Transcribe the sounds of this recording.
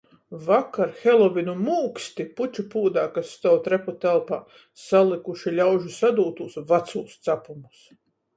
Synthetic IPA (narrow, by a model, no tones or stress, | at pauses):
vakaɾxelˠɔvinumuːkst̪iput͡ʃʲupuːd̪aːkasːt̪awt̪ɾeput̪ɛlˠpaː | salˠikuʃilʲawʒusad̪uːt̪usvat̪suːst̪sapumus